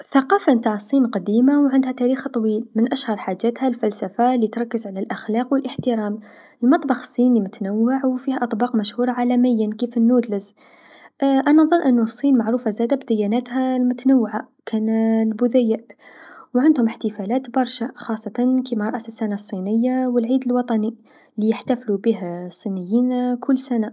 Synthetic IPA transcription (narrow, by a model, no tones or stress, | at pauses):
θɑqɑːfant̪aʕəsˤːiːnqɑd̪iːmawʕɪnd̪hæt̪æɾiːxt̪ˤɑwiːlmɪnʔæʃhɑɾˤħad͡ʒːæːt̪halfælsafalit̪ɾˤɑkːəzʕalalʔaxlɑːqwəlʔəħt̪ɪɾɑːm | əlmɑt̪ˤbɑxsˤːiːnlimʊt̪nawːaʕwfihæʔɑt̪ˤbɑːqmæʃhuːɾˤɑʕalæmɪjːankifənːuːd̪ləz | ʔʔænænðˤɑnʔənːusˤːiːnmaʕɾuːfazæːd̪abd̪ɪjːænæːt̪hælmʊt̪ænawːʕa | kʰænlbʊðæjːəʔwʕand̪hʊmħt̪əfælæːt̪bɑɾˤʃaxɑsˤːɑt̪ɑnkimaɾˤɑʔsəsːanasˤːinəjːawəlʕiːd̪əlwɑt̪ˤɑni | lijəħt̪æflubiɦæsˤːinəjːiːnkʰʊlːsæna